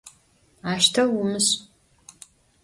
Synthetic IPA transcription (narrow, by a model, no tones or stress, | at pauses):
aːʃtʰɐwʊmɨɕʼ